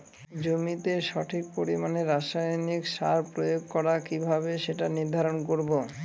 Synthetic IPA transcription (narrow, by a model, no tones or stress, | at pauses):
d͡ʑomit̪eʃɔʈʰik̚poɾimaneɾːaʃajnikʃa̰ɾpɾojoɡkɔɾakibʱabeʃeʈaniɾd̪ʱaɾonkoɾbo